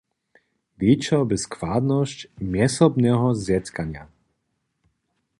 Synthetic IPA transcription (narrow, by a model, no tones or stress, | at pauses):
vit͡ʃɛlbɪskvaːd̪nɔscmjɛsɔbnɛɦɔzjɛt̪kaɲɪa